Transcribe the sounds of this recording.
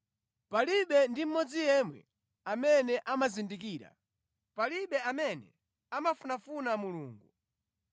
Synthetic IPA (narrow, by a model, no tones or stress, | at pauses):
paliɓɛndim̩mɔd͡zijɛmwɛ̰ | amɛnɛʔamazindikiːɾa̰ | paliɓɛamɛnɛ̰ | amafunafunamuluːŋɡu